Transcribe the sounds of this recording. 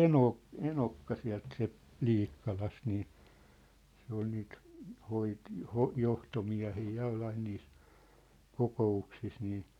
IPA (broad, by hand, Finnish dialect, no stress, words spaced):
enoˑ enokːɑ siæ̝lt siæ̝lt l̥iːkːɑlɑst niː se ol niːt hoit hoh johtomiæ̝hiː jɑ oi ɑin niːs kokouksis niː